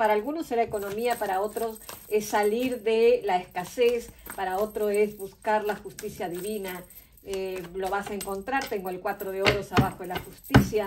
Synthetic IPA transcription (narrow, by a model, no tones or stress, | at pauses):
paɾaːlɣunoseɾaeko̞no̞miapaɾao̞t̪ɾo̞sesːaliɾðelaeskasespaɾao̞t̪ɾoezβuskaɾlaxust̪isjaðiβina | elo̞β̞asaeŋko̞nt̪ɾaɾt̪e̞ŋɡoelkwat̪ɾoðeo̞ɾosaβaxoðelaxust̪isja